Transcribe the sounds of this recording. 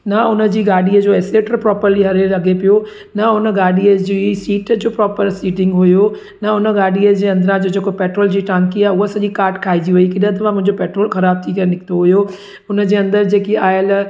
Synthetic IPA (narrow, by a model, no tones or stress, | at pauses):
nɐʊnəd͡ʑiːɡaːɗiəd͡ʑoːeːseːʈɾpɾɔːpəɾliɦɐɾelɐɡʱepijo | nɐʊnəɡaːɗiəd͡ʑisiːʈd͡ʑoːpɾɔːpəɾsiːʈɪ̃ŋɡɦʊjo | nɐʊnə̆ɡaːɗiəd͡ʑeːɐ̃nd̪ɾãd͡ʑoːd͡ʑeːkopeːʈɾoːld͡ʑiːʈãːŋkiaːɦeʊɦosɐʄikaːɾʈkʰaːid͡ʑiɦuikɪɗə̃t̪̬ɐʋãmʊ̃ɦɪ̃ɲd͡ʑopɛːʈɾoːlxɐɾaːb̚t̪ʰikɐɾenɪkʰt̪oɦʊjo | ʊnə̆d͡ʑeːɐ̃nd̪əɾd͡ʑeːkiaːɪl